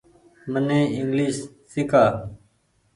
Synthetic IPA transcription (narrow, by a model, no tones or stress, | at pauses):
mənẽːɪŋɡliːʃ | sɪkaː